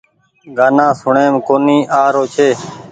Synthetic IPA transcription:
ɡaːnãːsʊɳeːmkoːnĩːʔaːɾoːt͡ʃʰeː

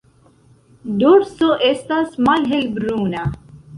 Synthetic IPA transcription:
d̪uɾsoʔest̪asmalɦelbɾuːna

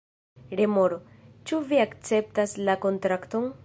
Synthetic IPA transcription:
ɾemoɾo | t͡ʃuviakt͡se̞p̚taslako̞ntɾaktoŋ

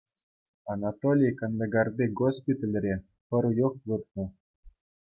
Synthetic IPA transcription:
ɑnɑt̪olʲijkɑnlʲeɡɑrd̪ʲiɡospʲit̪əlʲɾʲe | pɤ̆ɾjuk̚ʋɯt̪̚nɤ̆

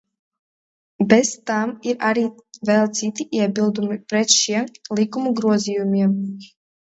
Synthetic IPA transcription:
bez̥t̪aːmiɾaɾiːvɛlˠt̪sit̪iʔiɛbʲilˠd̪umipɾɛt̪ʃiɛmlˠikumuɡɾuɔzʲiːjumʲiɛm

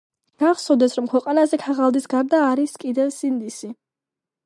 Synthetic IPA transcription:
ɡ̥aχsɔvd̪ɛsɾɔmkʰwɛqʼanazɛkʰaʁalˠd̪isɡaɾd̪aːɾiskʼid̪ɛvsind̪isi

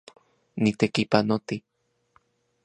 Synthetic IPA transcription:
nit̪ekipanot̪i

